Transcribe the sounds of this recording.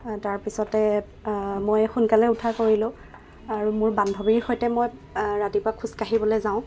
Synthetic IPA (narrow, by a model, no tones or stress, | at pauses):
taɹpisɔtɛ | mojxunkalɛutʰakoɹilʊ̃ | aɹumʊɹbandʱɔbiɹxojtɛmojɹatipʊɹakʰuskaɦibɔlojzãʊ̃